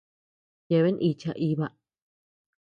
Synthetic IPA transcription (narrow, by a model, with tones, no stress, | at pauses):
je˧˨βe˦nʔi˧t͡ʃa˧ʔi˧βa˧ʔ